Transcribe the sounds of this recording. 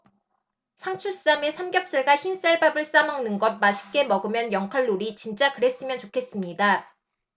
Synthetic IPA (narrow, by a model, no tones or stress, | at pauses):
sʰaŋt͡ɕʰus͈amesʰamɡjʌp̚s͈ɯɭɡaçins͈aɭbabɯɭs͈amaŋnɯnɡʌd̚maɕʰi̥k͈e̞mʌɡɯmjʌnjʌŋkʰʌɭːuɾit͡ɕint͡ɕ͈akɯɾe̞s͈ɯmjʌnt͡ɕokʰe̞s͈ɯmɲida